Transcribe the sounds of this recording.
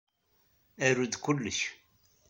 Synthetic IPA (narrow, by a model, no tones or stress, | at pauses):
æɾud̪kʊlːəç